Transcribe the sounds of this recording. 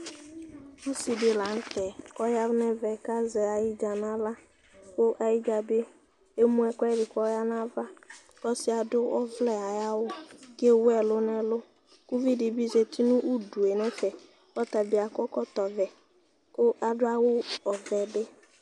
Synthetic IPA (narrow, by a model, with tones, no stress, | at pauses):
u˦si˨dɪ˨la˨n̩˦tɛ˨ɔ˦ja˦ɾnɛ˦vɛ˨ka˦zɛ˨a˨jɪ˦d͡ʒa˨na˦la˦ | kʊ˦ʔa˨jɪ˦d͡ʒa˨be˦ | e˦mũ˦ɛ˦kɛ˦dɪ˨kɔ˦ja˦na˦va˦ | kɔ˦sɪ˦a˨dʊ˦ɔ˦vlɛ˦a˨ja˦wʊ˦ɡe˦wʊ˦ɛ˨lʊ˦nɛ˦lʊ˦ | ku˦vi˦dɪ˨bi˦ze˨ti˦nʊ̃˦ʔu˦du˨e˨nɛ˦fɛ˨ | ɔ˦t̪a˨bɪ˨˦a˨kɔ˦kɔ˦t̪ɔ˨vɛ˨ | kʊ˦ʔa˨dʊ˦a˦wʊ˦ɔ˨vɛ˨bɪ˦